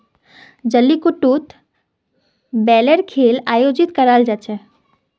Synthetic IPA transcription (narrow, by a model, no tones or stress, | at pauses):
d͡ʒəlːikuʈːut̪ | bɛleɾkʰelaːjod͡ʒit̪kəɾald͡ʒat͡ʃʰɛ